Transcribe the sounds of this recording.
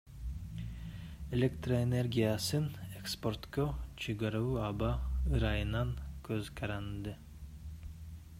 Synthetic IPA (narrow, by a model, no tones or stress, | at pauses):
elʲekt̪roene̞rɡʲijasɯnekspo̞rt̪kot͡ʃʰeɡɑɾauɑbɑɯɾɑjɯnɑŋkʰøzkʰɑɾɑnd̪ɯ